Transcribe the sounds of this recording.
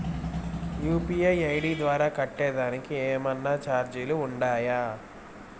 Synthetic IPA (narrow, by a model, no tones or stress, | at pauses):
juːpiːɐjɐjɽiːd̪ʋaːɾaːkɐʈːɛːd̪aːnikiɛːmɐnːaːt͡ʃaːɾd͡ʒiluːɳɖaːja